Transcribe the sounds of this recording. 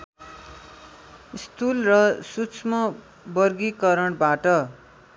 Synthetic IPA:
ist̪ulrʌsut͡smʌ | bʌrɡikʌɾʌɳbaʈʌ

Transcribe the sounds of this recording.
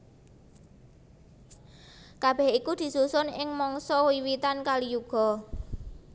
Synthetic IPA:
kab̥ɛhikud̪̥i̤susʊnɪŋmɔŋsɔwiwit̪ankalijuɡ̥ɔ̤

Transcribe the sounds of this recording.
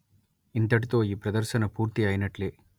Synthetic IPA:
int̪ɐʈit̪oːiːpɾɐd̪ɐɾʃɐnɐpuːɾt̪iaːjinɐʈleː

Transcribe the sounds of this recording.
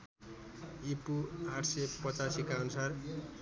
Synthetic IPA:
ipuaʈʰsepʌt͡sasikaʌnusar

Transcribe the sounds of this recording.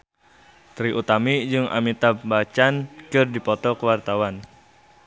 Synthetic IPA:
t̪ɾiʔut̪amid͡ʒɨŋʔa̰mit̪abat͡ʃankɨrdipɔt̪ɔkəwart̪awan

